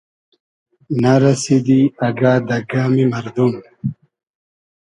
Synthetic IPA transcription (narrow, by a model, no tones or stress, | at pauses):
naɾɐsid̪iɐɡaːd̪ɐɡaːmimɐɾd̪un